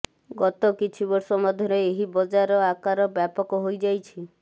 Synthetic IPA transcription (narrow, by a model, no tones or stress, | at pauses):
ɡɔt̪ɔkit͡ʃʰibɔɾsɔmɔd̪ʱjɔɾeeɦibɔd͡ʒaɾɔakaɾɔbjapɔkɔɦojd͡ʒajt͡ʃʰi